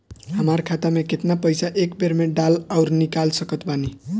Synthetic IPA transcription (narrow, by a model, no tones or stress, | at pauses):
ɦəmaɾkʰat̪ameket̪napəjsaʔekbeɾmeɖalaʊɾnikalsəkət̪bani